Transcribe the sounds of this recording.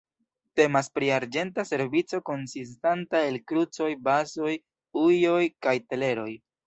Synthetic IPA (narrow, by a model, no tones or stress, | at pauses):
te̞maspɾiaɾd͡ʒe̞ntase̞ɾvit͡so̞ko̞nsis̬tantae̞lkɾut͡so̞jbaso̞j | ujo̞jkajte̞le̞ɾo̞j